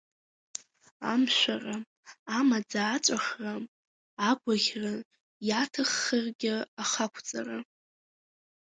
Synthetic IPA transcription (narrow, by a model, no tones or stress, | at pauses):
amʃʷara | amad͡zaːt͡ʃʷʼaχra | aɡʷaɣʲra | jatʰɨχːərɡʲɪaχakʷʰt͡sʼara